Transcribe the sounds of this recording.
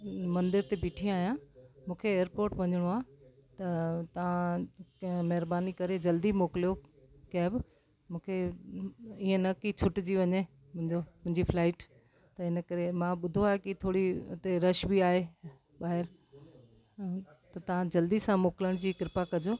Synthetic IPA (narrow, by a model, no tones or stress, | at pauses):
mɐ̃nd̪ɪɾt̪ebiːʈʰĩaːɦijãmũːkʰeːəɾpoːɾʈʋɐɲəɽ̃oaːt̪ɐt̪ɐʋ̤ã | mɐɦɪɾbaːnikɐɾed͡ʑɐld̪imoːkɪlijo | kaɦbɪ | mũːkʰe | iːə̃nɐkit͡ɕʰʊʈd͡ʑiʋɐɲe | m̃ɪ̃ɲomʊ̃ɦɪ̃ɲd͡ʑipʰlaːɪʈ | t̪ɐɪnə̆kɐɾemãɓʊd̪ʱoaːekɪt̪ʰoːɽiʊ̰t̪eɾɐʃbiaːɦe | ɓaːɦɪɾ | t̪ɐt̪ɐʋãd͡ʑɐld̪isãmoːkɪləɽ̃d͡ʑiːkɪɾɪpakɐd͡ʑoː